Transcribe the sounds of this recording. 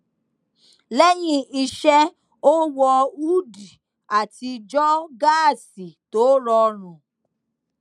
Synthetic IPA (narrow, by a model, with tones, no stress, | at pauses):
le˦ɲɪ˨i˦ʃe˦ | o˦wɔ˦u˦di˨ | a˨ti˨d͡ʒɔ˦ɡa˦˨si˨to˨˦ɾɔ˦ɾʊ̃˨